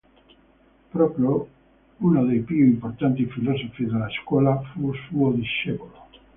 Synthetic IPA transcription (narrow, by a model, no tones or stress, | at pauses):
pɾopjo | unoðejpioimpoɾt̪ant̪ifilosofiðelaeskwolafusuoðiʃeβolo